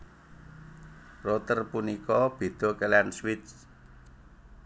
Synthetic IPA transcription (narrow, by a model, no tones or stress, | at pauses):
rot̪ərpunikɔb̥e̤d̪̥ɔ̤kelɛnswɪt͡ʃ